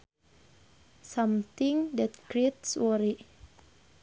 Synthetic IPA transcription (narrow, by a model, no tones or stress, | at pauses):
samt̪iŋd̪ɛt̪̚kɹet̪swɔɾi